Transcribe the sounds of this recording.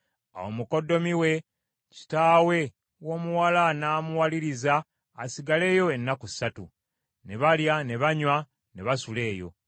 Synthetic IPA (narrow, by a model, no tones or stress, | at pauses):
a̰wo̞̰muko̞dːo̞miwe̞ | ci̥taːwe̞ | wo̞ːmuwalanaːmuwaliɾizaː | siɡale̞ːjo̞e̞nːakusatṵ | ne̞βaljane̞βaɲwa | ne̞βasule̞ːjo̞̰